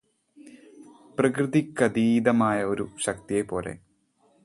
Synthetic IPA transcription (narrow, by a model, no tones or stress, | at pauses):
prɐkrɨðikːɐd̪iːd̪ɐmaːjɐo̞ɾuɕɐk̚t̪ijepo̞ːle̞̰